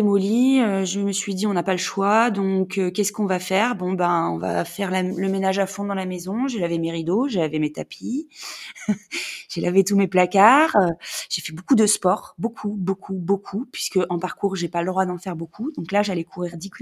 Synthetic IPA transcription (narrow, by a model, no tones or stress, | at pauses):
emɔliøʒəməsɥid̪iɔ̃napaləʃwad̪ɔ̃køkʲɛskɔ̃vafɛʁbɔ̃baɔ̰̃va̰fɛʁlaləmenaʒafɔ̃d̪ɑ̃lamezɔ̃ʒelavemeʁid̪oʒelavemet̪apʰi | ʒ̥elavet̪umeplakaʁøʒ̥efɛbokud̪əspɔʁbokʰubokʰubokʰupɥiskəʔɑ̃paʁkuʁʒepaləd̪ʁwad̪ɑ̃fɛʁbokʰud̪ɔ̃klaʒalɛkʰuʁiʁd̪ikʲ